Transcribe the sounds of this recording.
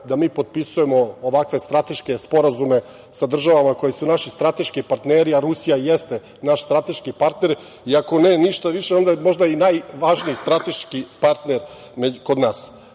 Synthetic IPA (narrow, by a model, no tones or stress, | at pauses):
d̪amiːpo̞d̪̚pisuje̞mo̞ːʋakʋe̞st̪ɾat̪e̞ʃke̞spo̞ɾazume̞ | sad̪r̩ʒaʋamako̞jisunaʃist̪ɾat̪e̞ʃkipaɾt̪neːɾiaɾusijajest̪e | naʃst̪ɾat̪e̞ʃkipaɾt̪ne̞ɾ | iako̞neːniʃt̪aʋiʃeo̞nd̪amo̞ʒd̪ainajʋaʒniist̪ɾat̪e̞ʃkipaɾt̪neɾ | mekod̪naːs